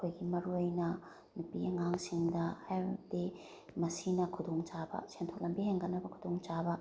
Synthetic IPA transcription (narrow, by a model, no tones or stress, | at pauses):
ɐkʰojɡimɐɾuojnɐ | nupiɐŋaŋsiŋdɐhajdi | mɐsinɐkʰudoŋt͡ʃabɐ̰sentʰok̚lɐmbiɦeŋɡɐnːɐbɐkʰudoŋt͡ʃabɐ